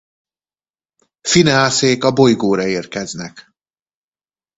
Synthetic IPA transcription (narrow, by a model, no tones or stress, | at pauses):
finɛaːseːkɒbo̞jɡoːɾɒeːrkɛznɛk